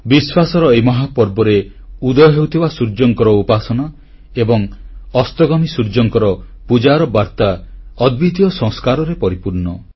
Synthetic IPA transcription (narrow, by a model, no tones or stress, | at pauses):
biswasɔɾɔejmɔɦapɔɾbɔɾe | ud̪ɔjɔɦewt̪ʰibasuɾd͡ʒɔŋkɔɾɔupasɔnɔ | ebɔŋɔst̪ɔɡɔmisuɾd͡ʒɔŋkɔɾɔpud͡ʒaɾɔbaɾt̪aɔd̪̚bit̪jɔsɔ̃ŋskaɾɔɾepɔɾipuɾnɔ